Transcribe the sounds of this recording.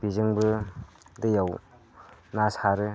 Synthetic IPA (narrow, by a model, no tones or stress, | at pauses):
piʑəŋbə | d̪əjaw | nasʰaɾɯ